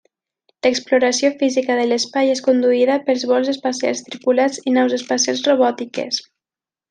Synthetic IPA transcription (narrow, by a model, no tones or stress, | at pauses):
ləkspluɾəsiofizikəðələspajeskund̪uiðəpəlˠzβɔlˠzəspəsia̰lˠst̪ɾipulad͡zinɔwzəspasialˠzroβɔt̪ikḛs